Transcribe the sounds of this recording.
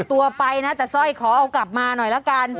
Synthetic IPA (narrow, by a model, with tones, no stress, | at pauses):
t̪u˧ɐpa˧jna˦˥t̪ɛː˨˩sɔ˥˩jkʰɔː˩˦ʔa˧wkla˨˩p̚maː˧nɔ˨˩jla˦˥ka˧n